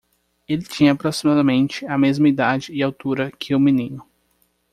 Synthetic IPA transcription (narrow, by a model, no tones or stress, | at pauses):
elɪt͡ʃĩɲɐːpɾosimad̪ɐmẽnt͡ʃɪɐmezmɐid̪ad͡ʒɪɪawt̪uɾɐkʰɪʊmĩnĩnʊ